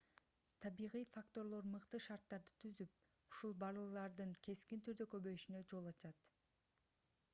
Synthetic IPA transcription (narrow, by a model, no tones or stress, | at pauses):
t̪ʰɑβijʁijfakt̪o̞ɾlˠo̞ɾmɯqt̪ɯʃɑɾt̪ːɑɾd̪ɯ̥t̪ʰyzyp̚ | uʃulˠbɑlˠɯlˠɑɾd̪ɯŋkʰe̞skint̪ʰyɾd̪økøβø̞jyʃynød͡ʒo̞lˠɑt͡ʃɑt̪